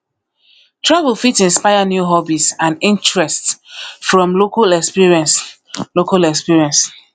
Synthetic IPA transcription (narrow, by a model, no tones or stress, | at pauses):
tʰɹavəlfitĩnspajanjuɦɔbisãnĩntɹɛstfɹɔ̃mlokalɛkspiɹiɛ̃ns | lokalɛkspiɹiɛ̃ns